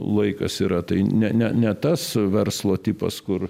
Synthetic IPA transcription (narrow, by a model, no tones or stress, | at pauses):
lˠɐɪkɐsiːɾɐt̪ɐɪnʲɛnʲɛnʲɛt̪ɐsʋʲɛrslˠoːt̪ʲiːpɐ̰skʊr